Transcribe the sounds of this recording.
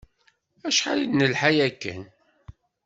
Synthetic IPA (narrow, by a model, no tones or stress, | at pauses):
æʃħa̰lidnəlħajækːə̰n